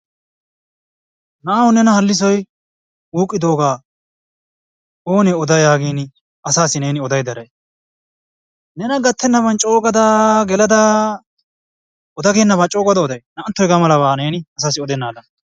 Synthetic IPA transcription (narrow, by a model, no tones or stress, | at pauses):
naːwʊnɛnɐhɐlːɪs̬ɔj | uːkʼːɪd̪o̞ːɡaː | oːnɛɔd̪ɐjaːɡeːnɪ | ɐsaːsɪne̞ːnɪɔd̪ɐjd̪ɐɾɐj | nɛnɐɡɐt̪ʰːɛnːɐbɐnt͡ʃʼo̞ːɡɐd̪ɐɡɛlɐd̪ɐ | ɔd̪ɐɡeːnːɐbaːt͡ʃʼo̞ːɡɐd̪ɐɔd̪ɐjnɐːnt̪ːɔjɡamɐlɐβaːne̞ːnɪɐsaːsɪɔd̪ɛnːaːd̪ɐn